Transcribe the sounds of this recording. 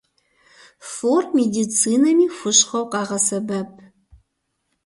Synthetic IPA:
formeːdit͡sʰiːnɐmiːxʷʊʃχɐwqɑːʁɐsɐbɐp̚ʰ

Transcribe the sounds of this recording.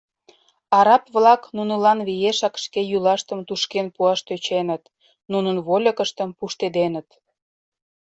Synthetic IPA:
ɑɾɑpβlɑknunəlɑnβijeʃɑkʃkejylɑʃt̪əmt̪uʃkenpuɑʃt̪øt͡ɕenət̪ | nunənβolʲəkəʃt̪əmpuʃt̪ed̪enət̪

